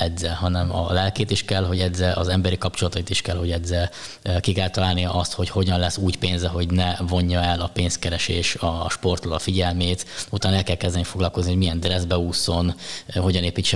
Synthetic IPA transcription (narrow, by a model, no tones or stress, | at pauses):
ɛdzɛɦɒnɛmɒ̰lɛlkeːt̪iʃkɛlɦo̞ɟɛzɛʔɒ̰zɛmbɛɾikɒpt͡ʃulɒt̪ɒit̪iʃkɛlho̞ɟɛdzɛ | kikɛlt̪ɒlaːlnijɒʔɒst̪ho̞cho̞ɟɒnlɛsːuːcpeːnzɛɦo̞ɟnɛvo̞ɲːɒɛlɒpeːnskɛɾɛʃeːʃɒʃpo̞rt̪olɒfiɟɛlmeːt̪ut̪aːnɛlkɛlkɛzd̪ɛnifo̞ɡlɒlko̞zniho̞ɟmijɛnd̪rɛzbɛuːso̞nɦo̞ɟɒneːpit͡ʃːɛ